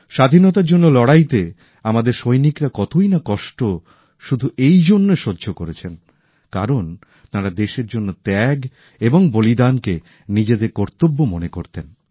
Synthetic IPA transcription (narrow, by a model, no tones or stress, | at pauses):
ʃad̪ʱinɔt̪aɾd͡ʑonːolɔɽajt̪e | amad̪eɾʃojnikɾakɔt̪ojnakɔʃʈo | ʃud̪ʱuʔejd͡ʑonːeʃodːd͡ʑʱokoɾet͡ɕʰen | kaɾon | t̪aɾad̪eʃeɾd͡ʑonːot̪ɛɡ | eboŋbolid̪anke | nid͡ʑed̪eɾkɔɾt̪obːomonekoɾt̪en